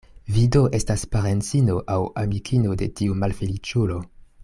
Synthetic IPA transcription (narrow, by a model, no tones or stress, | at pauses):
vido̞ʔe̞staspaɾent͡sinoʔawamikʰinode̞tiumalfelit͡ʃulo̞